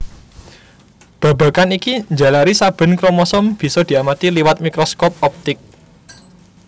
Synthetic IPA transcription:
b̥a̤ba̤kanikiɲd͡ʒa̤laɾisab̥ə̤nkɾomɔsɔmb̥i̤sɔd̪̥i̤amat̪iliwat̪̚mikɾɔskɔp̚ɔp̚t̪ɪk̚

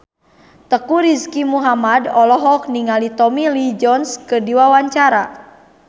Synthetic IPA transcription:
t̪əkuɾiskimuɦamadɔlɔɦɔk̚niŋalit̪ɔmilid͡ʒɔnskədiwawaɲt͡ʃaɾa

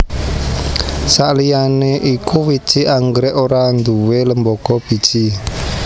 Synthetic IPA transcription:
saʔlijaneʔikuwi̥t͡ʃiʔaŋɡɾɛʔoɾand̪uweləmbɔɡ̥ɔb̥i̤̥t͡ʃi

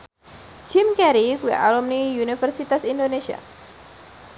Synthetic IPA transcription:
d͡ʒ̥ɪmkɛɾikuja̰ʔalumnijunifərsit̪asindoneʃia̰

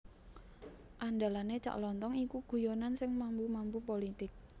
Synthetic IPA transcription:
ʔanda̤lanet͡ʃa̰ʔlɔnt̪ɔŋikuɡ̥ṳjonansɪŋmambumampupolit̪ɪk̚

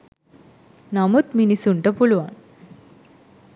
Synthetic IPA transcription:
namut̪minisuɳʈəpuɭʋan

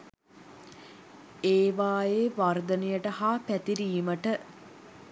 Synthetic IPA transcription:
eːʋaːjeːʋard̪ənejəʈəhaːpæt̪iɾiːməʈə

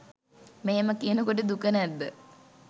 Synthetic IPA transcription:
meːməkijənəkoʈ̬əd̪ukənæd̪ːə

